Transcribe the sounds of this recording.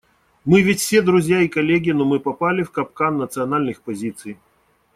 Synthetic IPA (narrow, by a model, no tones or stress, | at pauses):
mɨvʲɪtʲfsʲed̪ɾʊzʲjaikɐlʲeɡʲɪnomɨpɐpalʲɪfkɐp̚kanːət̪sɨɐnalʲnɨxpɐzʲit̪sɨj